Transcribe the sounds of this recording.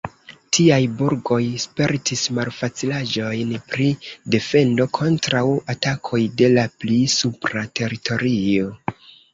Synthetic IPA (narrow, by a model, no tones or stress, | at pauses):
tʰiajbuɾɡo̞jspe̞ɾtismalfat͡silad͡ʒo̞jnpɾide̞fe̞ndo̞kʰo̞ntɾawatakʰo̞jde̞laplisupɾate̞ɾitʰo̞ɾio̞